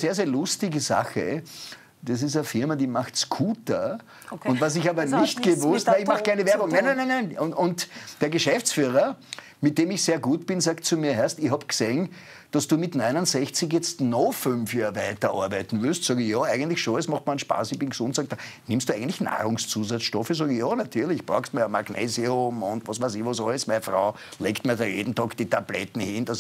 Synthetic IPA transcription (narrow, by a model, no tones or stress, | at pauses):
seːɐzeːɐlʊstɪɡəza̰xə̰ | d̥as̬ɪs̬ɐfɪɐmadiːmaxtsɡ̥ʰuːtɐ | ʊ̃ntvas̬ɪçaːbɐnɪçtɡ̥əvʊstɛlɪçmaχkʰæɪnəvɛɐbʊŋnænænanæɪnʊʊntd̥eːɐɡəʃɛft͡sfyːʁɐ | mɪt̚d̥eːmɪçseːɐɡuːtb̥ɪnsaːktt͡sumiːɐɦɛɐstɪçhabkseːn | d̥ɑsd̥uːmɪtnaɪnʊnsɛçt͡sɪçjɛt͡stnofʏnfjaːvæɪtɐʔɑ̰ɐbæɪtn̩vyɐstsɑːɡəjɑːæɪɡəntlɪçʃonɛsmɑχtmanʃpa̰ːsɪçb̥ɪnɡ̥sʊ̃ntsɑːɡ̚d̥ɑnɪ̃mstd̥uæɪəntlɪçna̰ːʁʊŋst͡suːzat͡sʃtɔfəsɑːɡəjɑːnatʰyɐlɪçb̥ʁɑʊxstmiɐma̰ɡnḛːziʊmʊntvɑsʋæɪsɪçʋɔsɔəsmɛnfʁɑ̰ʊ | leːktmiːɐdɑnjḛːdn̩tɑːkd̥itʰablɛ̰tn̩hɪndɑs